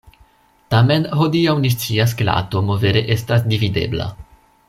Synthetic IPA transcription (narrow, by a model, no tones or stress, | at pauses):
tame̞nho̞diawnis̬t͡sias̬kela̰to̞mo̞ve̞ɾe̞ʔe̞stasdivide̞̰bla̰